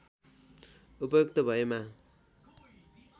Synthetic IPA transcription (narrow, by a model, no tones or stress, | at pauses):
upʌjokt̪ʌbʱʌema